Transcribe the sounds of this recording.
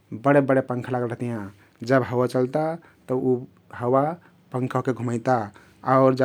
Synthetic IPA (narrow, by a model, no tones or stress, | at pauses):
bəɽebəɽepə̃ŋkʰlaɡəlɾəɦt̪ijã | d͡ʒəbɦəwat͡ʃəlt̪a | t̪əu | ɦəwa | pə̃ŋkʰɔkeɡʱuməɪt̪a | aʊɾd͡ʒə